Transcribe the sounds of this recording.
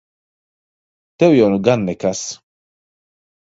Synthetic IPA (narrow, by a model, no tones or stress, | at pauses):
t̪ɛwjɔnuɡɐnːɛkɐs